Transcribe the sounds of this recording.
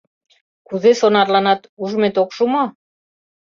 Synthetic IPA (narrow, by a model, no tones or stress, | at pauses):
kuzesonɑrlɑnɑt̪uʒmet̪okʃumo